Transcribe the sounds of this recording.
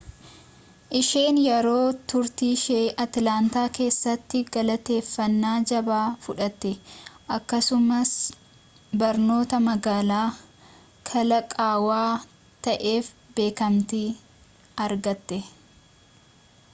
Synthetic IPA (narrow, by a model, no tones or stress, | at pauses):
ʔɪʃe̞ːnjɛɾo̞ːt̪ʊɾt̪iːʃeːʔɐt̪laːnt̪aːke̞ːsːɐt̪ːɪɡɐlɐt̪e̞ːfːɐnːaːd͡ʒɐbaːfʊᶑɐt̪ːɛʔɐkːɐsʊmɐs | bɐɾno̞ːt̪ɐmɐɡaːlaː | kʰɐlɐkʼaːwaː | t̪ɐʔe̞ːfbe̞ːkɐmt̪iː | ɐɾɡɐt̪ːɛ